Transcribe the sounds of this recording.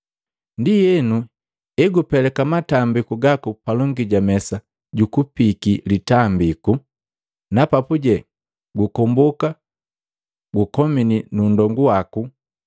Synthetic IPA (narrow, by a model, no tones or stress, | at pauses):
ndijɛnu | ɛɡupɛlɛkamatambikuɡakupalɔŋɡiɟamɛsa | ɟukupikilitambiku | napapuɟɛ | ɡukɔmbɔka | ɡukɔmininundɔŋɡuwaku